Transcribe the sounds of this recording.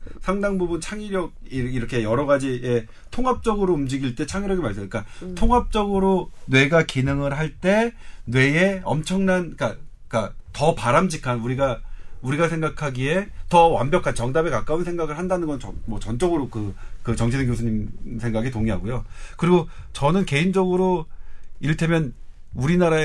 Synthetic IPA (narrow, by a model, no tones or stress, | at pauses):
sʰaŋdaŋbubunt͡ɕʰaŋiɾjʌɡ̚iiɾʌkʰe̞jʌɾʌɣad͡ʑie̞ | tʰoŋɦap̚t͡ɕ͈ʌɡɯɾoumd͡ʑiɡiɭt͈e̞t͡ɕʰaŋiɾjʌɡemaɭs͈eɯk͈atʰoŋɦap̚t͡ɕ͈ʌɡɯɾonwe̞ɡakinɯŋɯɾɦaɭt͈e̞nwe̞eʌ̰mt͡ɕʰʌŋnank͈a | k͈atʌpaɾamd͡ʑikʰanuɾiɡauɾiɡasʰe̞ŋɡakʰaɡie̞tʌwa̰mbjʌkʰant͡ɕʌŋdamekak͈aunsʰe̞ŋɡaɡɯɭhandanɯnɡʌnʌmwʌt͡ɕʌnt͡ɕ͈ʌɡɯɾokɯkɯt͡ɕʌŋt͡ɕʰedɯŋkjosʰuɲimsʰe̞ŋɡaɡitoŋiɦaɡojokɯɾiɡot͡ɕʌnɯnke̞ind͡ʑʌɡɯɾo | iɭtʰe̞mjʌn | uɾinaɾae